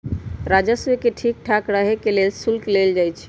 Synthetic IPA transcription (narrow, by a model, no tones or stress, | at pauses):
ɾad͡ʒəsekeʈʰik̚ʈʰakɾəɦekelelsulkleld͡ʒajt͡ʃʰ